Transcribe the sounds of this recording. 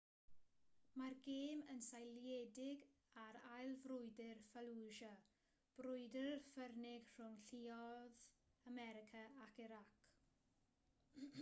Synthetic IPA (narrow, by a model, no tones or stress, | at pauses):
marɡeːmənsajljɛdɪɡ | aɾajlˠvrʊjdɪrfalˠuʒa | b̥rʊjdəfərnɪɡ̥r̥ʊŋɬiɔðamɛɾɪkʰaakɪɾak